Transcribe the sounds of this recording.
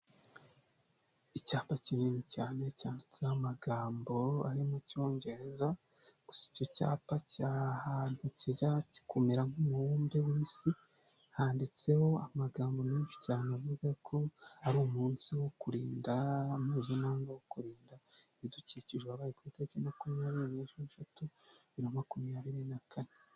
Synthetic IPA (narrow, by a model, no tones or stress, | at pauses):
icaːpacininicaːne̞caːndit͡sehamaɡaːmbo̞aɾimuco̞ːɲɟe̞ɾeza | ɡ̥usi̥coca̰ːpacaɾahan̥huciɟaɾaci̥kʰumiɾamhumuwuːmbewiːsi | haːndit͡se̞ho̞amaɡaːmbo̞niːfi̥caːnavuɡakʰo̞aɾuːmuːnsiwo̞kuɾiːndamhizonaːŋɡawokuɾiːndaeβiduciciʒeaβaːɾikuitacenakumijaβiɾineʃuiʃatuβiɾomakumijaβiɾinakʰane